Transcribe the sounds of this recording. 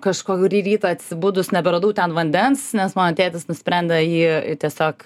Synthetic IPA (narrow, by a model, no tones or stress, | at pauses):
kɐʃkoːkʲʊɾʲiːɾʲiːt̪ɑɐt̪ʲsʲɪbuːd̪ʊsnʲɛbʲɛɾɐd̪uːt̪ʲɛnʋɐnʲd̪ʲɛnsnʲɛsmɑːnot̪ʲeːt̪ʲɪsnʊsʲpʲɾʲɛnʲd̪ʲɛjiːɪt̪ʲiɛsʲoːk